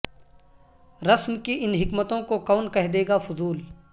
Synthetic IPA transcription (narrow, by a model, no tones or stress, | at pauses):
ɾɐsmkiʔɪnɦɪkmət̪õkokɔːnkɛɦd̪eːɡafʊzuːl